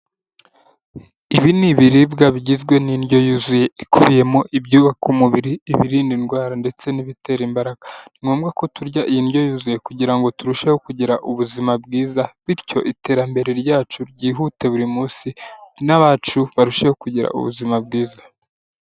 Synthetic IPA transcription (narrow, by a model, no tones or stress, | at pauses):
iβiniβiɾibɡaβiɟizɡwe̞ninɟo̞juzuje̞ikʰuβije̞moʔibɟuːβakumuβiɾiːβiɾiːndinɡwaːɾande̞t͡se̞niβite̞ɾimbaɾaɡ̥ḁniŋoːmɡako̞tuɾɟaʔijinɟo̞juːzuje̞kuɟiɾaŋɡo̞tuɾuʃe̞ho̞kuɟiɾaʔuβuzimabɡiːzaβiɾco̞ʔite̞ːɾambe̞ɾe̞ɾɟaːt͡ʃuɾɟiːɦute̞βuɾimuːsinaβaːt͡ʃuβaɾuʃeho̞kuɟiɾa̰ʔṵβṵzimabɡiːzḁ